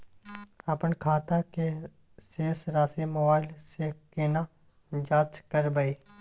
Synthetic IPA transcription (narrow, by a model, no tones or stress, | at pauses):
ɐpənkʰaːt̪ake | seːsɾaːsemobaːɪlsekena | d͡ʒaːt͡ʃkəɾbaiː